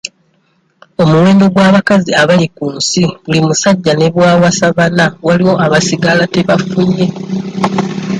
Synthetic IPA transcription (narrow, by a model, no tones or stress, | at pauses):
o̞muwe̞ːndo̞ɡwaːβakaziaβalikuːnsiβulimusaɟːane̞βwaːwasaβanawaliwo̞ʔaβasiɡalate̞βafuɲːe̞